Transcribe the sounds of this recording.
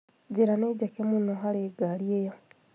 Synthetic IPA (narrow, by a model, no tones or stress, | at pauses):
ɟeɾaneɟakemunoxaleːɡaljejo